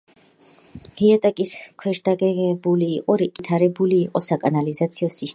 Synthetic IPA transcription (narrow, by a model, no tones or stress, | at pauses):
liat̪ʼɛkʼiskʰwɛʃd̪aɡɛʁɛbuliːqʼɔɾiɡʼit̪ʰaɾɛbuliːqʼɔsakʼanalizat̪sʰiɔsis